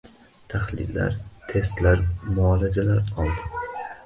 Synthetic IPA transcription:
t̪ʰahlɪ̰lːa̰ɾt̪ʰe̞st̪laɾmʊɒlad͡ʒalaɾɒlˠd̪ɪ

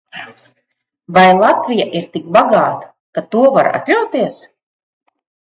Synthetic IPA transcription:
vajlˠat̪vʲijaʔiɾt̪ik̚baɡaːt̪ḁ | kat̪uɔvaɾa̰t̪lʲawt̪iɛs

